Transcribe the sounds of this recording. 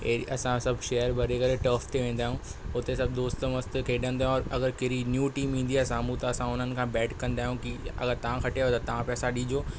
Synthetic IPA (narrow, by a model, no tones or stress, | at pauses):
eiʔɐsãsɐbʱʃɛːəɾbʱɐɾekɐɾeʈɐːft̪ʰeʋẽːnd̪aːɦijũʊt̪esɐb̚d̪oːst̪mɐst̪kʰeːɗə̃nd̪aːɦũɔːɾɐɡəɾkeɾinjuːʈiːmĩːn̆d̪iaːsaːmũt̪ɐɐsãʊn̤ənɪ̆kʰãːbɛːʈkɐ̃nd̪aːɦijũkiɐ̰ɡəɾt̪ɐʋ̤ãkʰɐʈeot̪ɐt̪ɐʋ̤ãpɛːsãɗĩːd͡ʑoː